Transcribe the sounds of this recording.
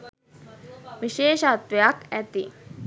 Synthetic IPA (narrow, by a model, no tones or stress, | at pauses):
ʋiʃeːʃat̪ʋejakæt̪i